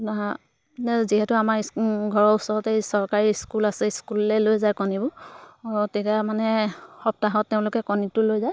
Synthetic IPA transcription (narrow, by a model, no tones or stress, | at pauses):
na | nɛziɦɛtʊamaɹɡʱɔɹɔusɔɹɔtejsɔɹkaɹiskulasɛskulɛlojzajkɔnibʊ | tekamanɛxɔp̚taɦɔtːeʊ̃lʊkɛkɔnitʊlojzaj